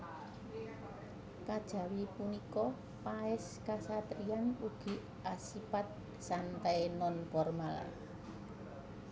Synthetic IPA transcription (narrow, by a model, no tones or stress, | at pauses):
kad̥ʒ̥a̤wipunikɔ | paɪskasat̪ɾianuɡ̥i̤ | ʔasipat̪̚ | sant̪ajnɔnfɔrmal